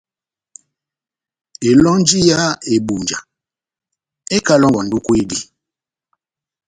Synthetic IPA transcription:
e˨lɔ˦n˦d͡ʒi˦ja˦e˨bu˨nd͡ʒa˨ | e˦ka˦lɔ˦ŋwa˨n˨du˦kwe˦˨di˦

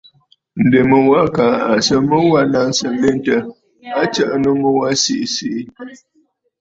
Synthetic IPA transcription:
n̩˨de˨mə˨wa˦ka˨˦a˨sə˦mə˦wa˦na˦n˦sə˨n˦le˦n˦tə˨ | a˦t͡ʃə˦ʔnu˦mə˦wa˦si˨ʔsi˦

